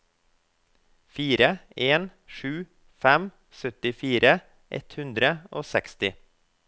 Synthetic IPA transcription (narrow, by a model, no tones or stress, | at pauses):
fiːɾəeːnʃʉː | fæm | sœt̪ɪfiːɾʔə | ʔɛ̰t̪hʉnd̪ɾəoːsɛkst̪ɪ